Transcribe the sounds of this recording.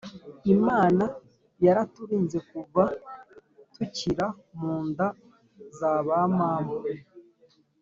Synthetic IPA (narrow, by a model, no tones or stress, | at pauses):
imaːna | jaɾatuɾiːnze̞kuva | tuciɾa | muːnda | zaːβamaːmbu